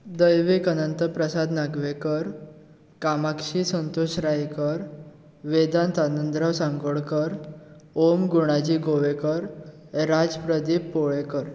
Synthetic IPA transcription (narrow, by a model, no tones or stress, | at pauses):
d̪əjʋekənənt̪əpɾəsad̪naɡʋekəɾ | kamakʂisənt̪oɕɾajkəɾ | ʋed̪ant̪anənd̪ɾəʋsãŋɡəɭkəɾomɡuɽ̃ad͡ʑiːɡoʋekəɾ | ɾad͡zpɾəd̪ipːoɭekəɾ